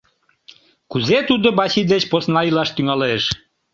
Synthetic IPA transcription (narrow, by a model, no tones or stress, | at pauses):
kuzet̪ud̪obɑɕid̪et͡ɕposnɑilɑʃt̪yŋɑleʃ